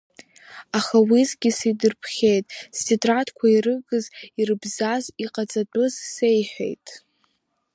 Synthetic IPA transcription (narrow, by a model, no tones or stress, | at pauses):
aχawizɡʲisidɨrpʰχʲe̞jtʼstʰitʼratʰkʷʰairɨɡɨzirɨbzaziqʼat͡sʼat͡pʷʼʊzse̞jħʷᶣḛjtʼ